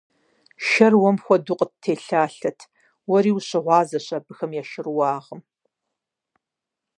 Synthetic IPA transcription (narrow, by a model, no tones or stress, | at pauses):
ʃɐrwɔmxʷɔdʊqʼət̚tʰːeːɬaːɬɐtʰ | wɔɾiːwuɕʼɪʁʷɑːzɐɕʼɐbɨxɐmjaːʃɪrwɑːʁəm